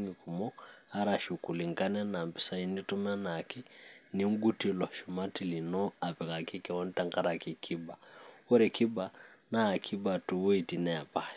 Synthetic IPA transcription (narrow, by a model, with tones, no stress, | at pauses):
ŋi˨ku˨mɔ˦a˦ɾa˨ʃu˨ku˨li˨ŋka˦nɛ˦na˨mpi˦sa˦i˦ni˦tu˦mɛ˦na˨ki˦ni˨˦ŋ̩˦ɡu˦ti˦˨lɔ˨ʃu˨ma˦ti˨li˨nɔ˦a˨pɛ˨ka˨ki˦kɛ˨wɔ˦n̩˦ta˦ŋka˦ɾa˨ki˨kʰi˦ba˨wɔ˦ɾɛ˨kʰi˦ba˨naː˦˨kʰi˦ba˨tu˨wɔ˦i˨ti˨nɛ˦a˨pa˦